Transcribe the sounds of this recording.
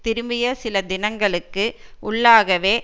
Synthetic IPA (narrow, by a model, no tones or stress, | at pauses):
t̪ɪɾɯmɪjɐsɪlɐd̪ɪnɐŋɡɐɭɯkːɯʔʊɭːaːɣɐʋeː